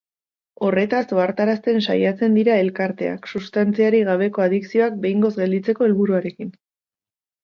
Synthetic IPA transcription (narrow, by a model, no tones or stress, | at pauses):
o̞re̞t̪aso̞aɾt̪aɾast̪e̞nsa̰jat͡se̞nd̪iɾae̞lkaɾt̪e̞a̰ksust̪ant͡siaɾiɣ̞aβ̞e̞ko̞aðiksio̞ak̚be̞jŋɡo̞zɡe̞ld̪it͡se̞ko̞elβuɾuaɾe̞kin